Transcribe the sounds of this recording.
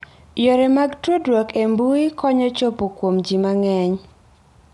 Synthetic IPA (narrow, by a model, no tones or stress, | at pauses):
jɔɾɛmaɡtwodwɔkembuikɔɲɔt͡ʃopokwomd͡ʒimaŋɛɲ